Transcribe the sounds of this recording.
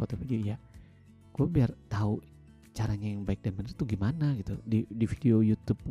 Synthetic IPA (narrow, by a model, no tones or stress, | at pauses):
ot̪ofid͡ʒoija | ɡ̥uabiart̪au | t͡ʃaɾaɲajaŋbaɪk̚danbənərt̪uɡimanaɡit̪udidifideojut̪up̚